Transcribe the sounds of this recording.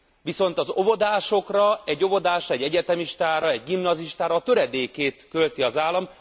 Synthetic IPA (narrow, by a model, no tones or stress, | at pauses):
ʋiso̞nt̪ɒzo̞vo̞d̪aːʃo̞krɒɛɟːo̞vo̞d̪aːʃrɒɛɟːɛɟɛt̪ɛmiʃt̪aːɾɒɛɟ̚ɡimnɒziʃt̪aːɾɒːt̪ø̞ɾɛd̪eːkeːt̪kø̞lt̪iɒzaːlːɒm